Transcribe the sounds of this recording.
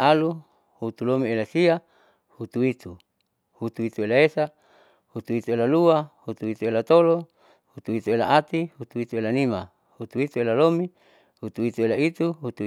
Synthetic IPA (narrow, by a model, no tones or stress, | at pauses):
alu | hut̪ulomielasia | hut̪uit̪u | hut̪uit̪uelaesa | hut̪uit̪uelaluahut̪uit̪uelat̪olo | hut̪uit̪uela̰ʔat̪ihut̪uit̪uelanima | hut̪uit̪uelalomi | hut̪uit̪uelait̪uɦut̪u